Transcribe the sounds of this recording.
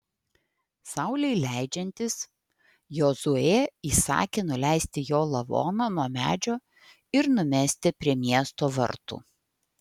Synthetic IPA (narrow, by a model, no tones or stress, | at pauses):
sɑʊlʲɛɪlʲæˑɪd͡ʒʲɛnʲt̪ʲɪs | joːzʊeːiːsɑ̰ːkʲeːnʊlʲæɪsʲt̪ʲɪjoːlˠɐʋo̰ːnonuɔmʲæ̰ːd͡ʒʲoː | ɪɾnʊmʲæːsʲt̪ʲɪpʲɾʲiɛmʲiɛst̪oːʋɐ̰ɾt̪ṵː